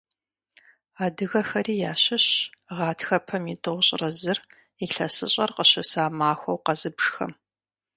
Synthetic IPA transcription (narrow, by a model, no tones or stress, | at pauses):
aːdɨɣɐxɐriːjaːɕɪɕʁɑːtʰxɐpʰɐmitʼɨʁʷɕʼrɐzɨr | iɬɐsɨɕʼɐrqəɕɐsaːmaːxʷɐwqɐzɨbʂxɐ̰m